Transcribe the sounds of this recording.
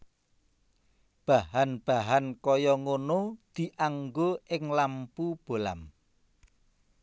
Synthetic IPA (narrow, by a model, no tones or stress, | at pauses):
b̥ahanb̥a̤ɦankɔjɔŋonod̪̥i̤ʔaŋɡoʔɪŋlampub̥o̤la̰m